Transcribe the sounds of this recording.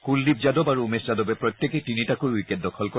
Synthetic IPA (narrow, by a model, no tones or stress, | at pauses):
kuldib̚zadɔbaɹuumeszadɔbɛpɹɔjt̪ːekɛtinitakojujkɛt̚dɔkʰɔlkɔ